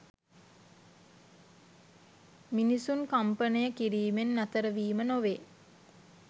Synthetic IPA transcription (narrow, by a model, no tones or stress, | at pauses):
minisunkampənəjəkiɾiːmenːat̪əɾəʋiːmənoʋe